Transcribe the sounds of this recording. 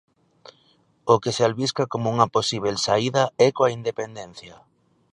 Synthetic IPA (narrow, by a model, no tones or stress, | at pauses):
ʊkesealβiskakomouŋɐposiβ̞elsaiðɐɛkoaind̪epend̪ɛn̟θjɐ